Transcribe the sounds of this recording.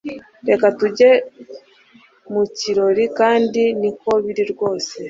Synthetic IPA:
ɾe̞katuɟe̞ | muciɾo̞ɾikaːndiniko̞βiɾiɾɡo̞ːse̞

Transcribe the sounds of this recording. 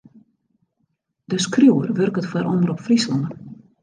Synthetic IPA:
d̥əskrjuwərʋørkətfaɾʔɔmərɔpfrislɔŋə

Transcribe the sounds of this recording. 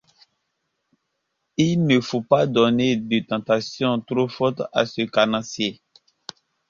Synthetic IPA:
ilnəfopad̪ɔned̪ət̪ɑ̃t̪asjɔ̃t̪ɾofɔt̪a̰səkanɑ̃sje

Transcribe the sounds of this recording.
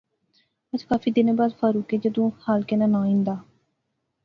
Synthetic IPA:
əd͡ʒkaːfiːd̪ɪnːbaːd̪fʰaːɾuːkeːd͡ʒəd̪õːhaːlkɪnãːnãːĩːnd̪aː

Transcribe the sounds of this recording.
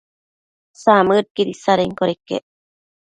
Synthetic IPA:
samɨɾ̚kiɾisaɾeŋkoɾekːḛ

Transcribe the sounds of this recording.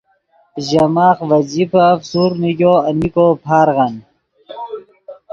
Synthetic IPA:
ʑɐmaːχʋɐd͡ʑipafsuɾniɡoːɐnikopʰaːɾɣan

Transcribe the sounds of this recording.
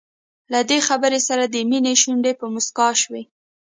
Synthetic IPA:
lad̪exabəɾesaɾad̪əmineʃuɳɖepəmʊskɑʃwe

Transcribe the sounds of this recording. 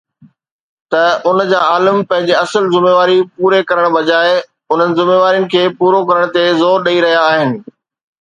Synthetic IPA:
t̪ɐʊnd͡ʑaːaːləmpɐ̃ɦɪ̃ɲd͡ʑeɐsəlzɪmeːʋaːɾipuːɾekɐɾəɽ̃bɐd͡ʑaːɪ | ʊn̤ənɪ̆zɪmeːʋaːɾijʊ̃nɪ̆kʰeːpuːɾokɐɾəɽ̃t̪ezoːɾɗɐiɾɐɦijaːɦɪnɪ̆

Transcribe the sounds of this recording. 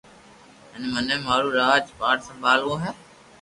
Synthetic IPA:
ɦɪnmənẽːmaːɾuːɾaːd͡ʒpaːɽsə̃bʱaːlõːɦɛː

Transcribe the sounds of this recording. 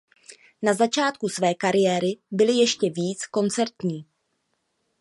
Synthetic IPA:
nazat͡ʃaːt̪̚kusvɛːkaɾɪjɛːɾɪbɪlɪjɛʃcɛviːt͡sko̞nt͡sɛɾt̪ɲiː

